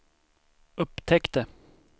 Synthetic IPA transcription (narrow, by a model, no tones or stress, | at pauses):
ɵpːt̪ʰɛkt̪ə